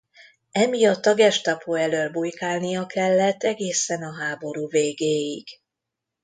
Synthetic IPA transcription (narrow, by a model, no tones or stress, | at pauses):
ɛmijɒt̪ːɒɡɛʃt̪ɒpʰoɛløːlbujkaːlnijɒkʰɛlːɛt̪ːɛɡeːsɛnɒɦaːbo̞ɾuːveːɡeːjiɡ̥